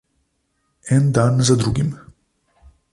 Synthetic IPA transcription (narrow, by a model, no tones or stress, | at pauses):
ɛnd̪anzad̪ɾuɡim